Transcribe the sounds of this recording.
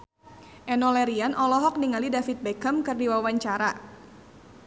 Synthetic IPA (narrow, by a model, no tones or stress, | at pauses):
ʔɛnɔlɛɾianʔɔlɔɦɔk̚niŋalidafit̪̚bɛkəmkɨrdiwawaɲt͡ʃaɾa